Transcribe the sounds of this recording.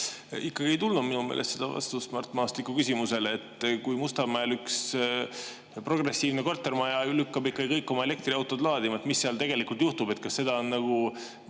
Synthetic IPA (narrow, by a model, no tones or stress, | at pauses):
ikːɑɡ̥iejt̪ulnud̪minumḛːlest̪se̞d̪̥ɑvɑ̰st̪usmɑrt̪ːmɑːst̪likːˑukysʲimuse̞let̪kujmust̪ɑmæelyks | pro̞ɡre̞sːiːvneko̞rt̪ːˑe̞rmɑjɑlykːɑbikːɑɡikɤjkːˑo̞mɑe̞le̞k̚t̪riɑwt̪ˑo̞d̪lɑːd̪imɑet̪misːeɑlt̪e̞ɡ̥e̞likult̪juht̪ube̞t̪̚kɑsːe̞d̪̥ɑonːɑɡ̥u